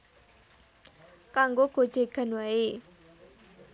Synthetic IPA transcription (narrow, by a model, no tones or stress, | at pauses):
kaŋɡoɡ̥o̥d͡ʒeɡ̥a̤nwae